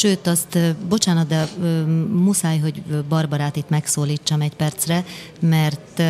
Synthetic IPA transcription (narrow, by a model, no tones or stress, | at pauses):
ʃøːt̪ɒst̪ːbo̞t͡ʃaːnɒt̪̚d̪ɛ | musaːjɦo̞ɟbɒrbɒɾaːt̪it̪mɛksoːliːt͡ʃːɒmɛcpɛrt̪srɛ | mɛrt̪